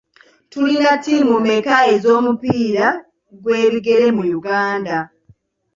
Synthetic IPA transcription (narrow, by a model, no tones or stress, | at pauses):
tulinatimumekajezo̞ːmupiːɾa | ɡwe̞ːɾiɡe̞ɾe̞mujuɡaːnda